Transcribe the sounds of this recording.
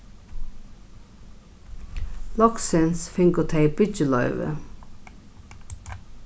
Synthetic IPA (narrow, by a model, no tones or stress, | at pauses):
lɔksɪnsfɪŋɡʊt̪ʰeɪbʏd͡ʒəlɑʏʋə̰